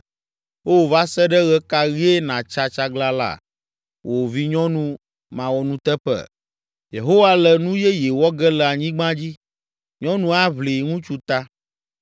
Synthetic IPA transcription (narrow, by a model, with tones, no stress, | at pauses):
wo˦˨va˦sɛ˦ɖɛ˦ɣɛ˦ka˦ɣi˦e˦nã˨t͡ʃa˦t͡ʃa˦ɡla˦la̰˦˨ | wʔo˨vi˦ɲɔ̃˦nũ˦ | mã˨wɔ˨nũ˦t̪ɛ˦ɸɛ̰˨ | je˨ɦo˦wa˦lɛ˨nũ˦jɛ˦je˨wɔ˦ɡɛ˦lɛ˨a˨ɲĩ˦ɡ͡bã˦d͡ʑi˦ | ɲɔ̃˦nũ˦a˦βli˨ŋũ˦t͡ʃu˦t̪a˦